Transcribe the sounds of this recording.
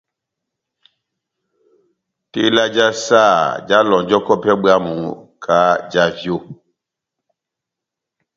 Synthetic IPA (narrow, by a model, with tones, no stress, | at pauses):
te˦la˦d͡ʒa˦sa˦˨d͡ʒa˦lɔ̃˨d͡ʒɔ˦kɔ˦pɛ˦ɓa˦mũ˨kʰa˨˦d͡ʒa˦vjo˦˨